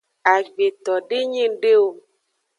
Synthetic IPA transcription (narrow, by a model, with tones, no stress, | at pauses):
a˨ɡ͡be˨t̪ɔ˨ɖe˦ɲĩ˦ɖe˦wo˨